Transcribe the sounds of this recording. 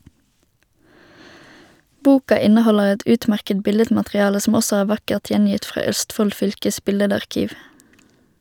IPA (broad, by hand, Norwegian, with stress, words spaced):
ˈbuːkɑ ˈɪnəˌhɔləʁ ˈɛt ˈʉːtˌmæʁkəd ˈbɪlədmɑtʁɪˌɑːlə sm̩ ˈɔsɔ ˈæːʁ ˈʋɑkəʁt ˈjɛnjɪt ˈfʁɑː ˈœstˌfɔl ˈfʏlkəs ˈbɪlədɑʁˌkiːʋ